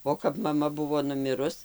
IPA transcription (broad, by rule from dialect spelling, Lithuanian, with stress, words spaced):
oː kɐp mɐˈmɐ ˈbʊʋoː nʊˈmʲɪrʊs